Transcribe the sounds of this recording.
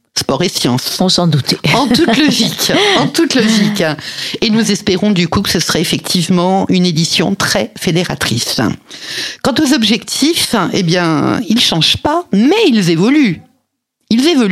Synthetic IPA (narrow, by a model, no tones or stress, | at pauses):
spɔʁesjɑ̃sɔ̃sɑ̃d̪ut̪eɑ̃t̪ut̪lɔʒikɑ̃t̪ut̪lɔʒikenuzɛspeʁɔ̃d̪ykukə̥səsəʁɛefɛk̚t̪ʰivmɑ̃yned̪isjɔ̰̃t̪χɛfed̪eʁat̪χis | kɑ̃t̪ozɔbʒɛkt̪ʰifḛbjɛ̃ilʃɑ̃ʒpamɛilzevɔly | ilzevɔly